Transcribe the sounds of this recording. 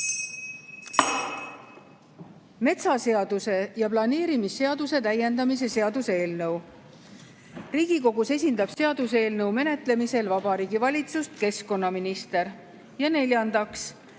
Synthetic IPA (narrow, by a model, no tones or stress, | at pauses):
me̞t̪sɑse̞ɑd̪̥use̞jɑplɑne̞ːɾimisːe̞ɑd̪̥use̞t̪æje̞nd̪ɑmis̬e̞se̞ɑd̪use̞ːlnɤw | riːɡ̥iko̞ɡ̥use̞s̬ʲind̪ɑb̥se̞ɑd̪̥use̞ːlnɤwme̞ne̞t̪ˑle̞mise̞lvɑbɑɾiːɡivɑlʲit̪sust̪ke̞sko̞nːɑminist̪e̞ɾ | jɑne̞lʲjɑnd̪ɑks